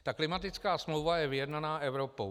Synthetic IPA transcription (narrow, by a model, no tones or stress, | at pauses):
t̪aklɪmat̪ɪt͡skaːsmlowvajɛvɪjɛdnanaːʔɛvɾo̞po